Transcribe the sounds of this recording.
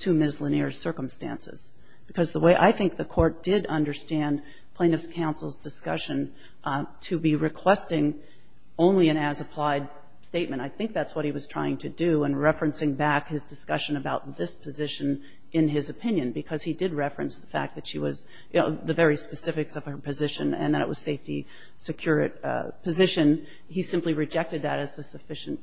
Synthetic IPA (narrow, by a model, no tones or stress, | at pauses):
tʰɨmɪzlənɪɹsɜ˞km̩stæ̰̃nsɨ̰z̥ | b̥ɨkʰʌzðəweɪʔa̰ɪθɪ̃ŋk̚ðɨkʰɔɹt̚d̥ɪɾʌ̃ndə˞stæ̃n | pʰl̥ẽɪ̃nɨfskʰãʊ̃nsl̩ˠzdɨskʌ̰ʃɨ̃n | tʰɨbiɹɨkʰw̥ɛstɪ̃ŋ | õʊ̃nliɨ̃næzɨpʰl̥aɪd̚ | steɪt̚mɨ̃ntaɪθɪ̃ŋk̚ðætswʌt̚hiwʌz̥tʰɹ̥aɪɪ̃ŋtʰɨdɨə̃nɹɛfɹɨ̃nsɪ̃ŋbækhɨzdɨskʌʃɨ̃nɨbaʊt̪̚ðɪspʰɨzɪʃɨ̃n | ʔɨ̃nɪzɨpʰɪ̃njɨ̃nbɨkʰʌz̥idɨd̚ɹɛfɹɨ̃nsðəfæ̰k̚ðɨtʃiwʌ̰z | jɨnoʊðɨvɛɹispɨsɪfɨksʌv̥ə˞pɨzɪʃɨ̃nɨ̰̃nðɨɾɨ̰ʔ̚wʌ̰z̥seɪfti | sɨkʰj̥ʊɹɨ̰t̚pʰɨzɪʃɨ̃n | isɪ̃mpliɹɨd͡ʒɛk̚tɨd̪̚ðɨɾɨzðɨsɨfɪʃɨ̃n̩t